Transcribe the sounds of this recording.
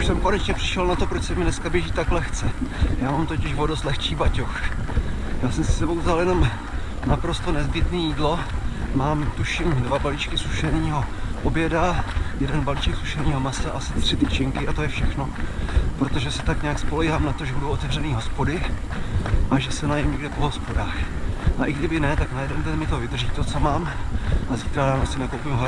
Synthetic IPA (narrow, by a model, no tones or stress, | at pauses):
uʃsɛmkonɛt͡ʃɲɛpr̥ɪ̥ʃɛlnat̪o̞pɾot͡ʃsɛmɪnɛskabjɛʒiːt̪aklɛxt͡sɛjaːmaːmt̪o̞cɪʃvodost̪lɛxt͡ʃiːbacox | jaːsɛmsɪsɛbowzaljɛno̞m | napɾo̞st̪o̞nɛzbɪt̪niːjiːdlo̞maːmt̪uʃɪmdvabalit͡ʃkɪsuʃɛvɲiːɦo̞ʔobjɛdajɛdɛnbaliːt͡ʃɛksu̥ʃɛɾnɲiːɦo̞masaʔasɪt̪r̥ɪt̪it͡ʃɪŋkɪʔat̪o̞jɛfʃɛxno̞pɾot̪o̞ʒɛsɛ̥t̪akɲaakspo̞lɛɦaːmnat̪oʒɛbudowot̪ɛvrɛniːɦo̞spo̞dɪ | ʔaʒɛsɛnajɛmɲɛɡdɛpo̞ɦo̞spo̞daːxʔaʔɪɡdɪbɪnɛt̪aknajɛdɛnd̪ɛnmɪt̪ovɪdr̩ʒiːt̪ot͡somaːmʔaziːt̪ɾadaːnasɪnakowpɪmɦa